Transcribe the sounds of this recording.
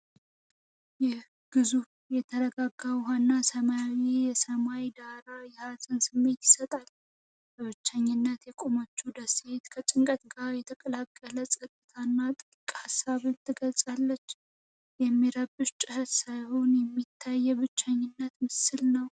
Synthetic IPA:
jɛ | ɡ̥ɨzuf | jɛt̪ʰəɾəɡaɡːawɦanːasəmawijɛsəmajd̪aɾajɛhazʼɨnsɨmːe̞t̪jɪsət̪ʼal | bəβɨt͡ʃːaɲːɨnːət̪jɛkʼomot͡ʃːud̪əset̪kʰət͡ʃʼɪŋkʼət̪ɡaɾjɛt̪ʰəkʼəlakʼːələsʼət̪ʼːɨt̪ʰanːat̪ʼɨkʼhasːaβɨnt̪ʰːɨɡəlsʼalːət͡ʃː | jɛmːiɾəbɨʃt͡ʃʼɪhət̪sajhonjɛmːit̪ʰːajːɛβɨt͡ʃːaɲːɪnːət̪mɨsɨlnəw

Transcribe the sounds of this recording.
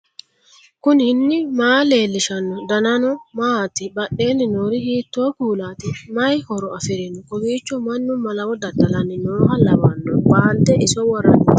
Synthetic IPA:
kʊnhɪnːɪmaːle̞ːlːɪʃɐnːɔd̪ɐnɐnɔmaːt̪ɪbɐɗe̞ːnːɪnoːɾɪhiːt̪ːoːkuːlaːt̪ɪmɐjhɔɾɔɐfɛɾɛnʊkɔɡiːt͡ʃːɔmɐnːʊmɐlɐwɔd̪ɐt̪ːɐlɐnːɪnoːhɐlɐbɐnːɔbaːnt̪ɛʔɪsɔwɔrːɐ̰nɪ

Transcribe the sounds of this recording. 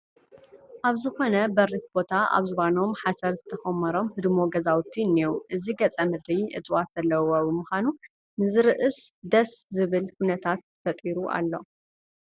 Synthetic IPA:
ʔaβzɨxo̞nɐbɐɾifbo̞t̪ʰaa̰βzɨβano̞mħasɐɾzɨt̪ʰɐxɐmːɐɾo̞mhɨd̪moɡɐzawt̪ʰinːiwuʔɨziɡɐt͡sʼɐmɨd̪ɾiʔɨ̰t͡sʼwat̪zɐlːɐwobɨmuxʷanu | nɨzɨɾɨʔɨsd̪ɐszɨβɨlkunɐt̪ʰat̪fɐt̪ʼiɾuʔa̰lːo̞

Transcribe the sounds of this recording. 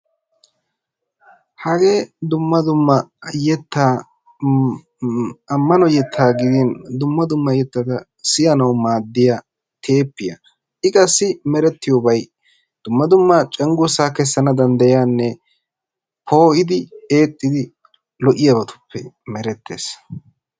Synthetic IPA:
hɐɡe̞ːd̪ʊmːɐd̪ʊmːɐjɛt̪ːaː | ɐmːɐnɔjɛt̪ʰːaːɡɪd̪ind̪ʊmːɐd̪ʊmːɐjɛt̪ːɐd̪ɐ | sɪjɐnɐwmaːd̪ːɪja | t̪ʰeːpːɪjɐ | ʔɪkʼɐsːɪmɛɾɛt̪ːɪjoːbɐj | d̪̥ʊmːɐd̪ʊmːɐt͡ʃʼɛŋɡʊsaːkɛsːɐnɐd̪ɐnd̪ɐjaːnːɛ | pʰo̞ːʔɪd̪ɪeːt̪ʼːɪd̪ɪ | lɔʔɪjɐbɐt̪ʊ̥pːɛ | mɛɾɛt̪ʰːe̞̰ːs

